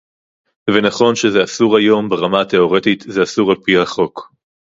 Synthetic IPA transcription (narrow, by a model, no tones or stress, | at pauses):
venaχo̞nʃezeasuʁajo̞mbeʁamate̞o̞ʁetit̪zeasuʁalpiaχo̞k